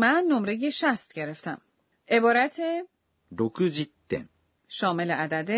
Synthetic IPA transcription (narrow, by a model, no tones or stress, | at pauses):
mænːo̞mɾejeʃæst̪̚ɟe̞ɾe̞ft̪æm | e̞bɒːɾæt̪ʰe | ɾokɯd͡ʑit̪ːḛ̃n | ʃɒːme̞leæd̪æd̪e